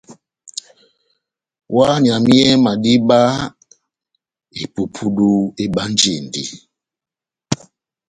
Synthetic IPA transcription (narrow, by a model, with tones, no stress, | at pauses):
wa˦ɲ˨a˨mi˦ɛ˦ma˨di˦ɓa˦ | e˨pu˨pʰu˦ɗu˦e˦ɓa˦n˦d͡ʒi˨ndi˨